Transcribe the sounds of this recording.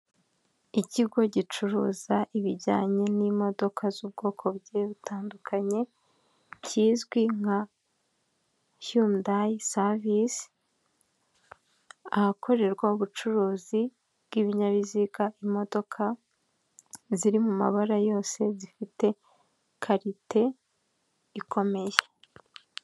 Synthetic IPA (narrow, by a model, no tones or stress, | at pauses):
iciɡo̞ɟit͡ʃuɾṵːzaʔiβiɾɟa̰ːɲe̞nimo̞do̞kʰazub̚ɡo̞ːkʰo̞bɟeβutʰaːndukʰaɲe̞ | ciːzɡwiŋ̥ha | humdajsavis | ahakʰo̞ɾe̞ɾɡwauβut͡ʃuɾuːzi | bɡiβiɲaβiziɡaʔimo̞do̞kʰa | ziɾimuma̰βaɾajo̞ːse̞zifite̞ | kʰaɾitʰe̞ | ikʰo̞me̞je